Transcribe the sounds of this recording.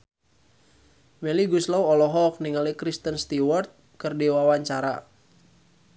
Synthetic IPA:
meliɡuslawɔlɔɦɔk̚niŋalikɾist̪ənst̪iwɔrt̪̚kərdiwawaɲt͡ʃaɾa̰

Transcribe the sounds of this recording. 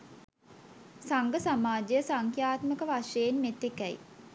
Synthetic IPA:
saŋɡəsamaːd͡ʒejəsaŋkjaːt̪məkəʋaʂeːnmet̪ːekæj̰

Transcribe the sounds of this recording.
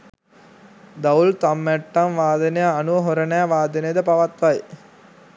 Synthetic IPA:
d̪ɐult̪amːæʈːɐmʋaːd̪ɐnejaɐnuʋɐɦoɾɐnaːʋaːd̪ɐnejɐd̪əpɐʋɐt̪ʋɐj

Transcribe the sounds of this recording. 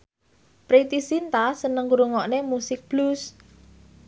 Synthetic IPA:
pɾit̪isint̪asənəŋɡuɾuŋɔʔnemusɪk̚b̥lus

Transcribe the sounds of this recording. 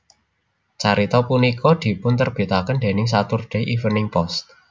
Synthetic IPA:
t͡ʃaɾit̪ɔpunikɔd̪̥i̤pʊnt̪ərb̥i̤t̪akənd̪e̤nɪŋs̬at̪ʊrɖ̥ɛ̤ʔifənɪŋpɔst̪̚

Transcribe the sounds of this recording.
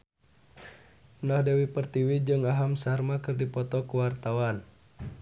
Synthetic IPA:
nahdɛwipərt̪iwid͡ʒɨŋaɦamsarmakɨrdipɔt̪ɔkuwart̪awan

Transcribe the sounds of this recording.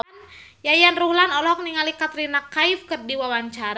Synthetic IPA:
njajanruhlanɔlɔɦɔk̚niŋalikat̪ɾinakaifkərdiwawaɲt͡ʃaɾ

